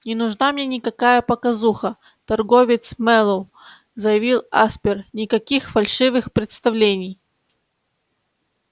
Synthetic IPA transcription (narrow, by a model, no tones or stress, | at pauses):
nʲɪnʊʐnamnʲenʲɪkɐkajəpɐkɐzuxə | t̪ɐrɡovʲɪt̪smɛlˠow | zəjɪvʲilˠaspʲɪrnʲɪkɐkʲixfɐlʲʂɨvɨxpɾʲɪt̪st̪ɐvlʲenʲɪj